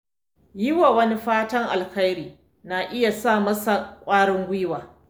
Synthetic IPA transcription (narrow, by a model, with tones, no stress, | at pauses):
jɪ˦wa˨wɐ˦ni˦ɸaː˦tɐ˦ŋʔa˨lkɐ˦jɾiː˨ | na˨ʔɪ˦ja˨saː˦˨mɐ˦sa˨kʷʼaː˦ɽɪ˦ŋɡʷɪ˦waː˨